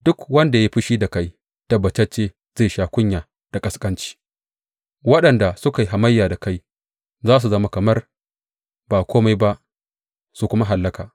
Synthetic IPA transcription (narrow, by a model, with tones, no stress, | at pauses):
d̥ʊ˦kwɐ˦nda˨ja˦ɸɪ˦ʃiː˦da˨ka˦j | tɐ˦bɐ˨t͡ʃɐ˦t͡ʃːeː˦ | z̥eː˦˨ʃaː˨kʷʊ˦ɲjaː˨ | d̥a˨kʼɐ˨skʼɐ˦nt͡ʃi̥ː˦ | wɐ˦ɗɐ˨nda˨sʊ˦ka˨ji˨ɦa˨mɐ˦jːaː˨da˨ka˦j | zaː˦s̬u˨zɐ˦ma˦kɐ˨mɐ˦r | baː˨kʷoː˦ma˦jba˦ʔ | su˨kʷʊ˦ma˦ɦa˨lːɐ˦kaː˨